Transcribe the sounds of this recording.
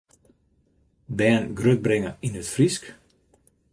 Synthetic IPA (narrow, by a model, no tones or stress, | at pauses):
bɛːnɡrøt̪̚bɾɪŋɐinøt̪frisk